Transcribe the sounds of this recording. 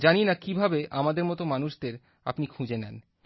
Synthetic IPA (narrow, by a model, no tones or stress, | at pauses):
d͡ʑaninakibʱabeʔamad̪eɾmɔt̪omanuʃd̪eɾ | a̰pnikʰũd͡ʑenɛn